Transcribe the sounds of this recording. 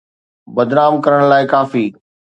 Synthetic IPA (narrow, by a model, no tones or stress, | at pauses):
bɐd̪naːmkɐɾəɽ̃laːɪkaːfiː